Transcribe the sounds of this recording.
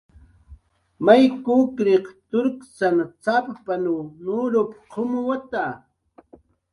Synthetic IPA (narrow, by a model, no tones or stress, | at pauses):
majkukɾeqt̪ʊɾkt͡sanat͡sapapanunʊɾopqʰomʊwat̪a